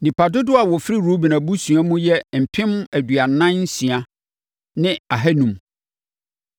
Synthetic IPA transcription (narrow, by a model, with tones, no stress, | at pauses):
nĩ˨pʰa˨dʊ˦dʊ˦a˨wɔ˨fɾi˦ɾo˦bi˨nã˨bu˦sũ˨a˦mũ˦jɛ˦m̩˨pʰɪ̃˦mæ˨dɥa˨nã˦nn̩˦sĩ˨a˨ | nɪ̃˦a˨ɦɛ˦nũ˨m